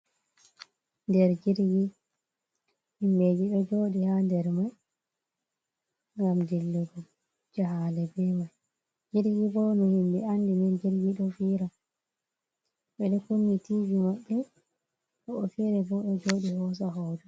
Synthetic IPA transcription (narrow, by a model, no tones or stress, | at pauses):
ndɛɾd͡ʒiɾɡi | himbed͡ʒiɗɔd͡ʒoːɗihandɛɾmaj | ŋɡamd͡ʒilːuɡɔ | d͡ʒaɦalɛbɛmaj | d͡ʒiɾɡibɔnɔhimbɛandimɛnd͡ʒiɾɡiɗɔfiɾa | ɓɛɗɛkumːitivimaɓːɛ | ɔɔfɛɾɛbɔɗɔd͡ʒoːɗihɔs̬aɦɔːd͡ʒɔ